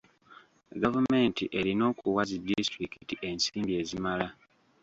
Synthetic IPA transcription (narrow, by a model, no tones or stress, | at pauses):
ɡavume̞ːntiʔe̞ɾino̞ːkuwazidistɾikitiʔe̞nsiːmbie̞ːzimala